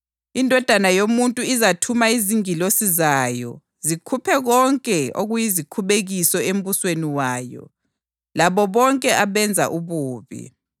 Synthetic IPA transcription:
indʱɔd̥ʱanajomuntʼuizatʰumaiziŋilosizaːjɔ̰ | zikʰupʰɛɣɔŋkʼɛo̰ɣujizikʰuβeɣisɔem̩βusweniwaːjɔ̰ | laβɔβɔŋkʼɛʔaβɛnd͡zʱa̰ʔuβuːβḭ

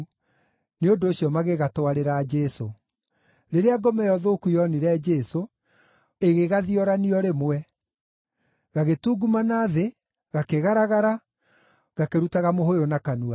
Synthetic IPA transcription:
neondoːɕiɔmaɣeɣatwaɾeɾaːd͡ʒɛso | ɾeɾeaɡɔmɛjɔðoːkujɔniɾɛd͡ʒɛso | eɣeɣaðiɔɾaniɔɾemwɛ | ɣaɣetuːɡumanaːðe | ɣakeɣaɾaɣaɾa | ɣakeɾutaɣamoɦojonakanua

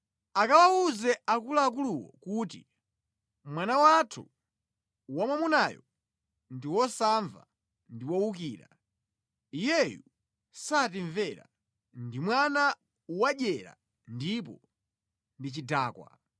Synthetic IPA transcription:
akawauzɛʔakulaːkuluwɔ̰kuːtḭ | mwanawatʰu | wamwamunajɔ | ndiwɔsaɱva̰ | ndiwɔwukiːɾa̰ | ijɛjṵ | sat̬iɱvɛɾa̰ | ndimwana | uwaʄɛɾa̰ | ndip̬ɔ | ndit͡ʃidaːkwa̰

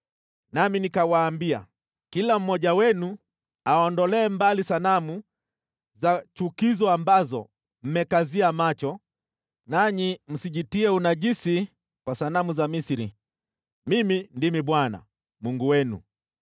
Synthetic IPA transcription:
naminikawaːmbia̰ | kilam̩mɔʄawɛnu | aɔndɔlɛːmbalisanamu | zat͡ʃukizɔambazɔ | m̩mɛkaziamat͡ʃɔ | naɲim̩siʄitiɛunaʄisi | kwasanamuzamisiɾi | mimindimiɓwana̰ | muŋɡuwɛnṵ

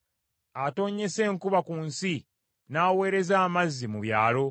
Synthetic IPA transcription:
ato̞ːɲe̞se̞ːŋkuβakunsi | naːwe̞ːɾe̞zaːmazːimuβjaːlo̞

